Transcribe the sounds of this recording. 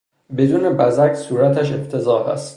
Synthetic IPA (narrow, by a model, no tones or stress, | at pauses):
be̞d̪uːne̞bæzæksuːɾæt̪ʰæʃ̬ebt̪ʰe̞zɒːɦæ̰st̪